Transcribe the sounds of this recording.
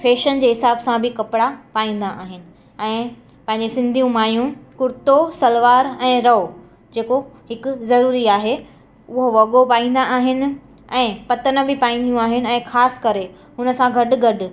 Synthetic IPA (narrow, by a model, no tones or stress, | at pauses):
fʰeːʃənd͡ʑeːɦɪsaːbsãbʱɪkɐpɪɽapaːĩːn̆d̪aʔaːɦɪnɪ̆ | ɛ̃ː | pɐ̃ɦɪ̃ɲd͡ʑesɪ̃nd̪ʱijũmaːjũkʊɾɪt̪osɐlʋaːɾɛ̃ːɾɐo | d͡ʑeːkoɦɪkʊ̆zɐɾuːɾiaːɦe | ʊɦoʋɐɠopaːĩːn̆d̪aʔaːɦɪnɪ̆ | ɛ̃ːpɐt̪ənə̆bʱɪpaːĩːn̆d̪ijũaːɦɪnɪ̆ɛ̃ːxaːsɪ̥kɐɾe | ɦʊnəsãɡʱɐɗʊ̆ɡʱɐɗʊ̆